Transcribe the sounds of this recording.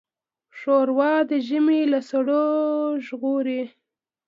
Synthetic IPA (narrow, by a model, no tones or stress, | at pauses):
ʂoɾwɑd̪əʒəmelasaɽoʒɣuɾe